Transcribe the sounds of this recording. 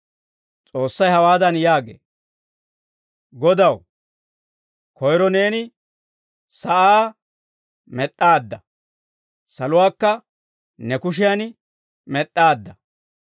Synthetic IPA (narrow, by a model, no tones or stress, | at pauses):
t͡sʼo̞ːsːɐjhɐwaːd̪ɐnjaːɡḛː | ɡɔd̪ɐw | kʰɔjɾɔne̞ːnɪ | sɐʔaː | mɛɗːaːd̪ːɐ | sɐlʊwaːkːɐ | nɛkʊʃ̬ɪjan | mɛɗːaːd̪ːɐ